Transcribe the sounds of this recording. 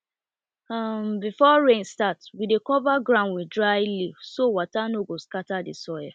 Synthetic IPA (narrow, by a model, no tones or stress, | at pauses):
ambifɔɹẽnstatwidekɔvaɡɹãʊ̃nwidɹaɪlivsowatanoɡoskatadḭsɔja